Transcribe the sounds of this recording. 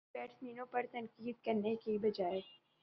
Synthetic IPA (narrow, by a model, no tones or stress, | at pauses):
bɛːʈsmiːnõpɐɾt̪ɐ̃nkiːd̪̚kɐɾnekibɐd͡ʒaːe